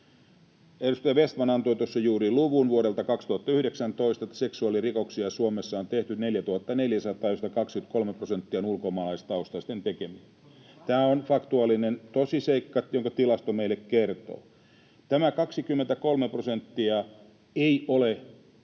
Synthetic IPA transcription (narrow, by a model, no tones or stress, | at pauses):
edust̪ɑjɑʋest̪mɑnɑnt̪oit̪uosːɑjuːriluʋunʋuoɾelt̪ɑkɑkst̪uhɑt̪ːɑyhɾeksænt̪oist̪ɑet̪ːæ̥seksuɑlirikoksiɑsuomesːɑont̪eht̪yt̪neljæt̪uhɑt̪ːɑneljæsɑt̪ɑːjost̪ɑkɑkskyt̪kolmeprosent̪ːiɑonulkomɑːlɑist̪ɑust̪ɑst̪ent̪ekemie | t̪æːonfɑkt̪uɑlːˑinent̪osiseikːɑjoŋkɑt̪ilɑst̪omeilːekkert̪o̰ː | t̪æmækɑksikymːent̪ækolmeprosent̪ːiɑ | eiole